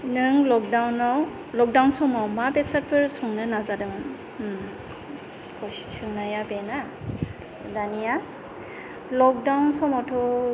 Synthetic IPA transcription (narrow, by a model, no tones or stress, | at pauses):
nɯŋlɔk̚dawnaw | lɔk̚dawnsɔmawmabesat̚pʰɯɾsɔŋnɯnazadɯmɯn | kʰɔstʰɯŋnajabena | danija | lɔk̚dawnsɔmawtʰɔ